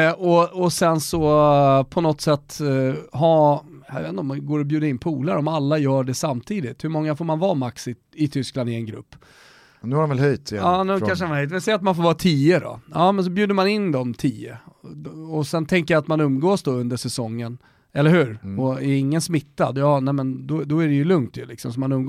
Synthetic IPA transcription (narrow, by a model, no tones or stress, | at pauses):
ɔɔsɛnsɔpʰɔnɔt̪ːsɛt̪ːɦɑjjavet̪nɔmnɡoːɾɔbjʉːd̪aɪnpʰuːlaɾɔmalːajœːɖɛsamt̪ʰiːd̪ɪt̪hɵmɔŋːafoːɾmanvɑːmaksɪ | ɪt̪ʰʏskland̪ɪɛnɡɾɵ̰pː | nʉ̟haɾnvɛlɦœjt̪ɑːnʉkanʂənahœjt̪mɛsɛjɾat̪manfoːɾvɑːt̪ʰiːəd̪ɔ̰ɑːmɛns̬ɔbjʉ̟ːd̪əɾmanɪnd̪ɔmt̪ʰiːə̰ | ɔsɛnt̪ʰɛŋkəɾjat̪manɵmːɡoːsd̪ɔɵnd̪əʂɛsɔŋːən | ɛlːəɾhʉ̟ːɾɔɛɾɪŋːənsmɪt̪ːad̪jɑːnɛmɛnd̪ɔd̪ɔæɾɛjɵlɵŋt̪jɵlɪksɔmsɔmanɵmɡ